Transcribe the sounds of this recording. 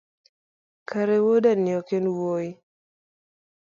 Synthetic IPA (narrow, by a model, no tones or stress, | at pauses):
kʰaɾewodanɪjɔkenwoi